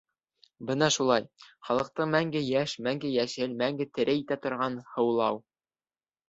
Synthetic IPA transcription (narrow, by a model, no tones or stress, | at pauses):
bɤnɑʃulˠɑjχɑlˠɤ̆q̚t̪ɤɴmæŋɡɘjæʃmæŋɡɘjæʃɘlmæŋɡɘt̪ɘ̆ɾɘit̪æt̪ŏɾʁɑnhɤ̆wlˠɑw